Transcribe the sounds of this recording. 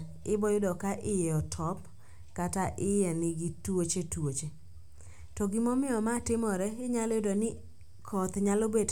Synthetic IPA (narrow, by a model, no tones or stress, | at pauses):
ɪbɔjʊdɔkaʔɪjɛɔtʰɔp | kataʔɪjɛnɪɡitwot͡ʃetwot͡ʃe | tɔɡimɔmɪɔmatɪmɔɾɛɪɲalɔjʊdɔnɪ | kʰɔt̪ɲalobed